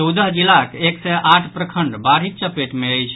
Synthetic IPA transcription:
t͡ʃəwd̪əɦd͡ʒilakeksɛʔaʈʰpɾəkʰəɳɖbaɾɦik̚t͡ʃəpeʈmeəjt͡ʃʰ

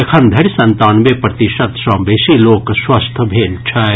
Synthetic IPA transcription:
ekʰɐnd̪ʱɐɽsɐ̃nt̪aːnmepɾɐt̪ɪʃɐt̪ʃãːmbeːʃiloːkswɐst̪ʰbʱeːlt͡ʃʰaː

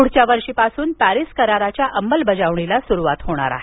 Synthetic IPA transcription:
kuɽ̤t͡ɕjaʋəɾʂipasuːnpæɾiskəɾaɾat͡ɕjaʔəmːəlbəd͡zaʋɳilasuɾuʋat̪ɦoɽ̃a̰ɾa̰ɦe

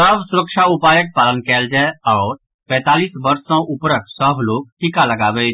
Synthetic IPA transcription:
səbsʊɾəkʃaʊpaːjək̚paːlənkɛːld͡ʒaɔːɾ | pɛ̃ːt̪aːliːsbəɾsõʔʊpɾək̚səbʱloːɡ̚ʈɪkaləɡaːbeː

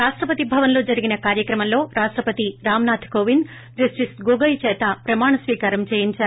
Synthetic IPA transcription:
ɾaːʂʈɾɐpɐt̪ibʱɐʋɐnlo̞ːd͡ʒɐɾiɡinɐkaːɾjɐkɾɐmɐnlo̞ːɾaːʂʈɾɐpɐt̪iɾaːmnaːt̪ʰkoːʋin | d͡ʒɐsʈisɡoɡɐjt͡ʃɛːt̪ɐpɾɐmaːɳɐsʋiːkaːɾɐmt͡ʃeːjiɲt͡ʃaːɾu

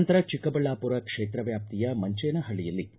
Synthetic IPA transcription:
nt̪ɐɾɐt͡ʃikːɐbɐɭːaːpuɾɐkʂeːt̪ɾɐʋjaːp̚t̪ijɐmɐɲt͡ʃeːnɐɦɐɭijɐlːi

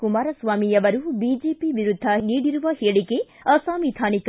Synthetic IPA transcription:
kumaːɾɐsʋaːmiɐʋɐɾubid͡ʒeːpiʋiɾud̪ʱːɐniːɽiɾuʋɐheːɐɭiɡe | ɐsaːmid̪ʱʰaːnik

